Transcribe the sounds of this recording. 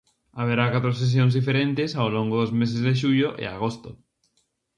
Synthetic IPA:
aβ̞eɾakat̪ɾos̬es̬jõnzðifeɾẽnt̪esaolõŋɡoðozmes̬ezðeʃuʎoʔḛa̰ɣ̞ost̪o

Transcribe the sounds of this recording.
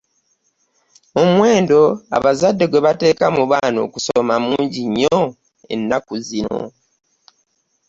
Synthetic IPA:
omwe̞ːndo̞a̰βazadːeɡwe̞βate̞ːkamuβaːno̞ːku̥somamuːɲɟiɲːo | e̞̰nːakuzino̞̰

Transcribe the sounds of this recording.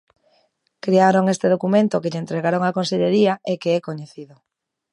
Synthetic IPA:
kɾiaɾoŋest̪eðokumẽnt̪okeʎent̪ɾeɣaɾoŋakonseʎeɾiaekeɛkoɲeθiðo

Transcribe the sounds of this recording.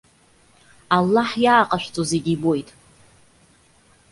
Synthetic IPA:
alːaħjaːqʼaʃᶣʷt͡sʼoze̞ɡʲibo̞jtʼ

